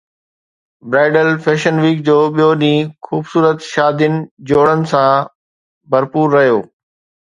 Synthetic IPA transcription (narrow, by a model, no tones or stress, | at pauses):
bɾaːɪɖəlfʰeːʃənʋiːk̚d͡ʑoːɓijoɗĩːxuːbsuːɾət̪ʃaːd̪jʊnɪ̆d͡ʑoːɽənɪ̆sã | bʱɐɾpuːɾːɐɦijoː